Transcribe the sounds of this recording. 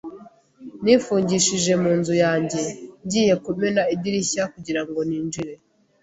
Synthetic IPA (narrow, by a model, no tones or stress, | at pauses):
niːfuːɲɟiʃiʒe̞muːnzujaːɲɟe̞ɲɟiːje̞kumenaibiɾiçakuɟiɾaŋɡo̞niːnd͡ʒiɾe̞